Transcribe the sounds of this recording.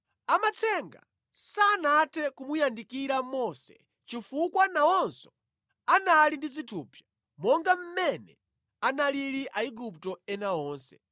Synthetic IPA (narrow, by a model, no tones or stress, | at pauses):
amat͡sʰɛŋɡa̰ | saːnatʰɛkumujandikiɾamɔsɛ̰ | t͡ʃifukwanawɔnsɔ̥ | analindid͡zitʰuːpʰja | mɔŋɡam̩mɛnɛ | analiɾiʔaiɡup̚tɔɛnaɔːnsɛ̥